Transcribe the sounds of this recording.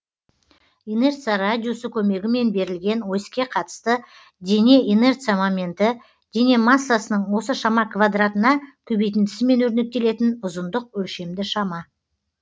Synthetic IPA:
ine̞rt̪sijaɾad̪ʲijosəkʲʰɵme̞ɡʲɪme̞nbe̞ɾɪlɡʲe̞nwo̞jskʲe̞qʰɑt̪ə̥st̪ə | d̪ʲe̞ne̞ʔine̞rt̪sijamamʲe̞nt̪ɪ | d̪̥e̞ne̞masːasənəɴwo̞səʃɑmɑkvad̪rat̪ənɑkʲʰɵbejt̪ɪnt̪ʰɪ̥sɪme̞nwɵɾne̞k̚t̪e̞le̞t̪ɪnʊzənd̪əq̚wɵlʃe̞md̪ɪʃɑmɑ

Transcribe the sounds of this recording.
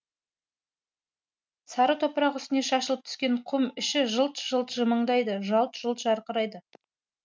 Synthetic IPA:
sɑɾət̪ʰopəɾɑqʏst̪ɪne̞ʃɑʃəlˠəpt̪ʰʏ̥skʲe̞ɴqʰʊmʏʃɪʒəlˠt̪ʒ̥əlˠt̪ʒəməɴd̪ɑjd̪əʒɑlˠt̪ʒ̥əlˠt̪ʒɑɾqəɾɑjd̪ə

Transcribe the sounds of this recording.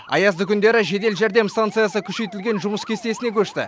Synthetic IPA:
ɑ̰jɑzd̪əkʲʰʏnd̪e̞ɾɪʒe̞d̪e̞lʒæɾd̪e̞mst̪ant̪sɨjasəkʲʰʏʃe̞jt̪ɪlɡʲe̞nʒʊməskʲʰe̞st̪e̞sɪne̞kʲɵʃt̪ɪ̰

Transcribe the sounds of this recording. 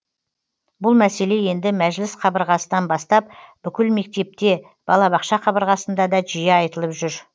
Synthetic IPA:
bʊlˠmæse̞le̞je̞nd̪ɪmæʒlɪsqʰɑbəɾʁɑsənɑnbɑst̪ɑp̚b̥ʏkʲɪlme̞k̚t̪e̞p̚t̪e̞ | b̥ɑlˠɑbɑqʃɑqʰɑbəɾʁɑsənd̪ɑd̪ɑʒijeɑjt̪əlˠəpʒʏɾ

